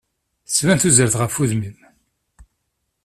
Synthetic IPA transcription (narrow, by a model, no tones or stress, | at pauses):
svænθuzəɾθʁəfuðmim